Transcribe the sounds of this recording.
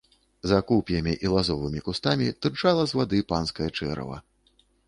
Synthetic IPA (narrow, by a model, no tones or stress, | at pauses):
zakupʲjɐmʲiʔilˠazɔvɨmʲikust̪amʲit̪ɨrt͡ʂalˠɐzvad̪ɨpanskɐjɐt͡ʂɛɾɐ̰vɐ̰